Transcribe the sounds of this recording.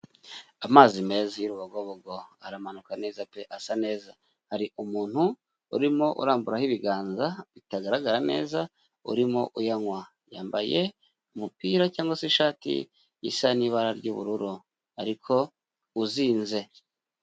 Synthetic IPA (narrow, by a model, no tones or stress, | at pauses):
amaːzime̞zajuɾuβaɡwoβoɡoaɾamanukane̞ːzapeʔasane̞ːza | haɾiʔumuːn̥hu | uɾimo̞ʔṵɾaːmbuɾahiβiɡaːnzaβitaɡaɾaɡaɾane̞ːza | ṵɾimoʔujaŋwa | jaːmbaje̞̰ | umupiːɾacaːŋɡosiʃaːtḭ | ḭsaniːβaɾaɾɟuβṵɾuɾu | aɾikʰo̞ | uziːnze̞